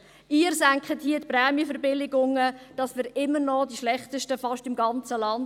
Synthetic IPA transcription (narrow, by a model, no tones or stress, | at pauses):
ʔiːəɾsæŋkχəthiətpɾɛːmjəfɛɾbɪlɪɡʊŋəd̥ɑsmɪːɾɪmːəɾnɔdiʃlɛχtəʃtəfɑʃtɪmɡɑnt͡səlɑn